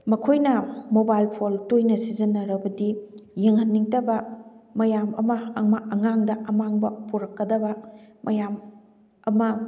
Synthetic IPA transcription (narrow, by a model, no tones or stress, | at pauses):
mɐkʰojnɐmobajlpʰoltojnɐsizɐnːɐɾɐbɐdijeŋhɐnːiŋtɐbɐmɐjamɐ̰mɐːŋmaɐŋaŋdɐʔɐmaŋbɐpuɾɐkːɐdɐbɐmɐjam | ɐmɐ